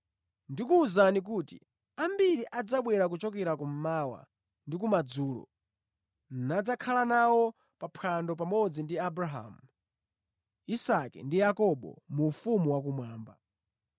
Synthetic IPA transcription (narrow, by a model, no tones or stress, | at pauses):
ndikuːzanik̬uːtḭ | ambiɾiʔad͡zaɓwɛɾak̬ut͡ʃɔkɛɾakum̩mawa̰ | ndikumad͡zuːlɔ̰ | nnad͡zakʰalanawɔ | papʰandɔp̬amɔd͡zindiabɾaɦa̰mu | isakɛ̰ndijakɔɓɔ̰mufumuwak̬umwaːmba̰